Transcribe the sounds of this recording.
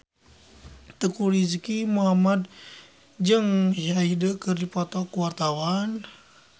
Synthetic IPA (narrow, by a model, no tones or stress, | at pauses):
t̪əkuɾiskimuɦamad̪̚ | d͡ʒəŋʃaidəkərdipɔt̪ɔkuwart̪awan